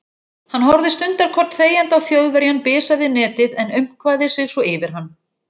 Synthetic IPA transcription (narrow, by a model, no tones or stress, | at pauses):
hanːɦɔwɾðɪst̪ʏnt̪aɾ̥kʰɔr̥t̪θeːjant̪awθjowðvɛɾjanpɪːsaðɪnɛːt̪ɪðɛnʏɥm̥kʰvaːðɪsɪɣsvɔɪvɪɾ̥hanː